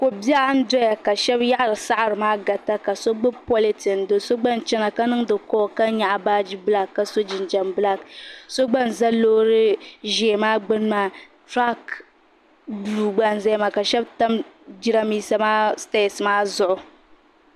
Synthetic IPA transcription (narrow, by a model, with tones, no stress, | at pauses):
ko˨bi˦a˦a˦n˦dɾe˦ja˨ka˨ʃɛ˦bja˦ʔa˨ɾɨ˨sa˦ʔa˨ɾɨ˨maː˦ɡa˨ta˦ka˨so˦ɡ͡bɨ˦pɔ˦li˦tɨ˨n˨do˨so˦ɡ͡ba˦n˨t͡ʃɛ˦na˨ka˦nɨ˦ŋdɨ˨kɔː˦˨ka˦ɲa˨ʔa˨baː˦d͡ʒi˦bla˦kːa˦so˦d͡ʒɪ˨nd͡ʒa˨mbɨ˦la˦kso˦ɡ͡ba˦n˨za˦loː˦ɾɨ˦ʒe˨maː˦ɡ͡bɨ˦n˦ma˦ | tɾa˦k | blu˨ɡ͡ba˦n˨za˦ma˨ka˨ʃɛ˦bta˦m | d͡ʒi˦ɾa˦miː˦sa˦maː˦sta˦˨sɨ˨maː˦zʊ˦ʔʊ˨